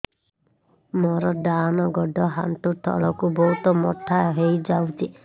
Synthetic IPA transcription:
mɔɾɔɖanɔɡɔɖɔɦa̰nt̪ut̪ʰɔ̰ɭɔkubɔɦut̪ɔmɔʈʰːaɦejd͡ʒawtʰi

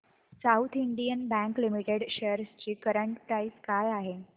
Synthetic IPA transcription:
sawt̪ʰiɳɖijənbæ̃ŋklimiʈeɽɕeəɾst͡ɕiːkəɾəɳʈpɾaiskajaɦe

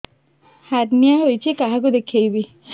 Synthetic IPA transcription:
haɾnijaɦojt͡ɕʰikaɦak̬od̪ekʰejbi

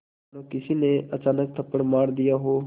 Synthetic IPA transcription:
okɪsineɐt͡ʃaːnək̚t̪ʰɐpːəɽmaːɽd̪ijaɦo

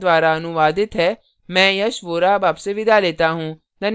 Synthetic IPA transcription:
d̪ʋaːɾaɐnʊʋaːd̪ɪt̪ɦɛː | mɛ̃ːjɐʃʋoːɾabaːbseʋɪd̪aleːt̪aɦũː | d̪ɐn

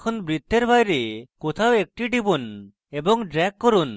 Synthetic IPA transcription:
kʰɔnbɾit̪ːeɾbʱajɾekot̪ʰawek̚ʈiʈibun | ebɔŋɖɾɛkːɔɾun

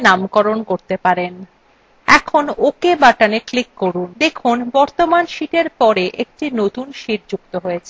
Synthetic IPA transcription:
namkɔɾonkoɾt̪epaɾen | ɛkʰonokebaʈaneklikːoɾund̪ekʰunbɔɾt̪omanʃiʈeɾpɔɾeʔek̚ʈinot̪unʃiʈd͡ʑuk̚t̪oɦoet͡ɕʰe

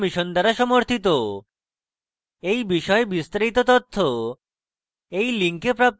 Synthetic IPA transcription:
miʃond̪aɾaʃɔmoɾt̪ʰit̪o | ejbiʃɔebist̪aɾit̪ot̪ɔt̪ʰːo | ejliŋkepɾap̚t̪

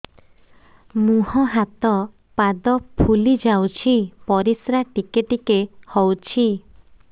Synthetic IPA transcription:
mũɦɔɦat̪ɔ | pad̪ɔpʰulid͡ʒawt͡ʃʰipɔɾisɾaʈikeʈikehɔwt͡ʃʰi

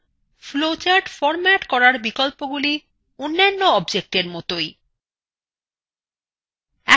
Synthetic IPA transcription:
flot͡ɕaɖfɔɾmɛʈkɔɾaɾbikolpoɡuli | onːanːoɔbd͡ʑek̚ʈeɾmɔt̪oj | ɛ

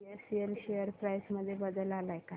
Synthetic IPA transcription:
esielɕejəɾpɾajsməd̪ʱːjebəd̪əlalajka

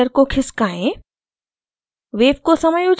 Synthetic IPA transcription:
əɾkokʰɪskaːẽ | ʋeːpkosɐməjud͡ʒ

